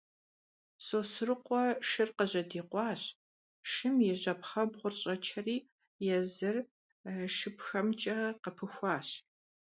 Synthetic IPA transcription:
sʼoːsɨrɨqʷɔʃɨrqəʑɐdiːqʷɑːɕ | ʃɨmjɛʑɐpχɐbʁʷʊrɕʼɐt͡ʃʰɐriː | jɛzɨr | ʃɨpxɐmt͡ʃʼɐqəpʰɨxʷɑːɕ

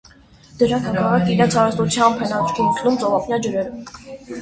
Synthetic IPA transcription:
d̪̥əɾɑŋkʰɑkɑrɑkiɾɛnt͡sʰɑɾəst̪ut͡sʰjɑmpʰɛnɑt̪ʰɾkʰit̪ʰlumt͡sɔvɑpʰnʲjɑd͡ʒəɾɛɾ

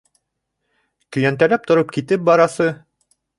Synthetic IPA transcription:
kɵ̆jænt̪ælæp̚t̪ŏɾop̚kit̪ɘp̚bɑɾɑsɤ

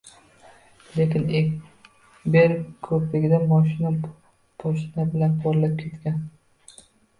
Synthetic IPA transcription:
lekʲɪne | beɾkʰɵpleɡʲɪd̪amɒʃ̬ɪna | bʰɒʃɪnabɪlanbʰɒɾlap̚kʲʰe̞t̪kʲan

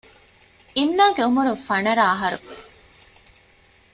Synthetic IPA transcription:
inːaːɡeumuɾufɐnɐɾaːɦɐɾṵ

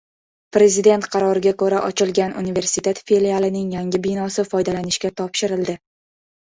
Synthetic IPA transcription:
pɾe̞zɪd̪e̞nt̪qʰɑɾɒɾɪɡʲakɵɾaʔɒt͡ʃʰɪlˠɡʲanṵnive̞ɾsɪt̪ʰe̞t̪felialˠɪnɪŋjaŋɡʲɪbɪnɒsɪfɒjd̪alanɪʃkʲat̪ʰɒpʃɪɾɪld̪ɪ

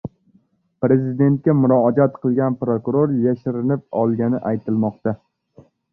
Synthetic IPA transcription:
pɾe̞zɪd̪e̞nt̪̚kʲamʊɾɒd͡ʒat̪qʰɨlˠɡʲanpɾokʊɾoɾjaʃɪɾɪnɪp̚ɒlˠɡʲanɪʔajt̪ʰɪlmɒqt̪a

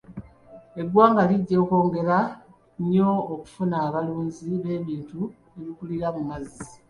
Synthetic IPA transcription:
e̞ɡwaːŋɡaliɟːo̞ːko̞ːŋɡe̞ɾa | ɲo̞ːku̥funaːβaluːɲziβe̞ːβiːntu | eβikuliɾamumazi

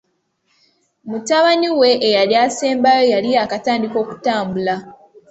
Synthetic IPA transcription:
mutaβaniwe̞ʔːjaljaseːmbajojalijakataːndiko̞ːku̥taːmbula

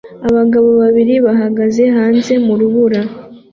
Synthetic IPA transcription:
aβaɡaβo̞βaβiɾiβaɦaɡaze̞ɦaːnze̞muɾuβuɾa

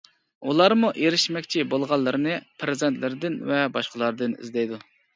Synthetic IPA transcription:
ulˠɑɾmuʔeɾɪʃmɛkʲt͡ʃʰibolˠʁɑlˠːɨɾɨnɨpʰɾɨzɛnt̪lɪɾɪd̪ɪnvɛbɑʃqəlˠɑɾd̪ɨnḭzd̪ɛjd̪u

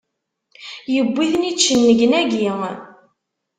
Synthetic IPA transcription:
jəbʷːiðnit͡ʃːənːəɡnæɡi

